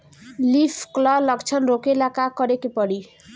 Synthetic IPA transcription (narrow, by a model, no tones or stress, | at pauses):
lipʰklʌlʌɡt͡ʃʰʌnɾokelakakʌɾekepʌɽi